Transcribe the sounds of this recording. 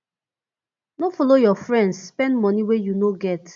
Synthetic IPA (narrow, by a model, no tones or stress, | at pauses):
nofɔlojɔfɹɛ̃ndsspɛ̃ndmɔniwejunoɡɛt